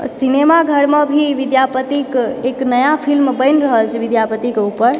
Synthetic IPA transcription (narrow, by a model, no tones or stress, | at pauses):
sinemaɡʱəɽmə̃bʱiʋid̪japət̪ikeknəjapʰilmbəɪnɾəɦəlt͡ʃʰʋid̪japət̪ikeupəɾ